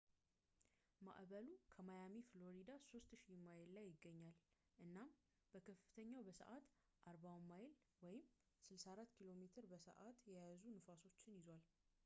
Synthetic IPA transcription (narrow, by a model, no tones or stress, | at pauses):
ma̰ʔβəlukʰəmajamiflo̞ɾid̪aso̞st̪ʃimajlːajːɪɡːəɲːal | ʔɨnːam | b̥əkʰəfɨt̪ʰəɲːawbəsə̰ʔat̪ | ʔaɾbawmːajl | wɔjɪm | sɨlsaɾat̪ːkʰilo̞met̪ʰɨɾbəsə̰ʔat̪jɛjazunɨfaso̞t͡ʃːɪnjɪzwal